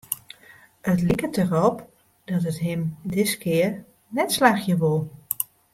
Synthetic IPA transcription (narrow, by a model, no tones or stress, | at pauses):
ətlikətərɔp | d̥ɔtətɦɪmdɪskʰɪːər | nɛtslaxjəʋolˠ